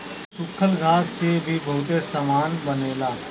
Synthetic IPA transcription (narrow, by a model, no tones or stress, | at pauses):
sʊkʰəlɡʱaːsebʱiːbəːd̪eːsəmaːnbəneːlaː